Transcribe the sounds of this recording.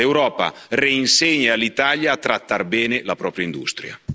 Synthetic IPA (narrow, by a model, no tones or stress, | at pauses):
ewɾɔːpa̰reinseɲːaalit̪aljaːt̪ːɾat̪ːarbɛːnelapɾɔːpɾjaind̪ṵst̪ɾja̰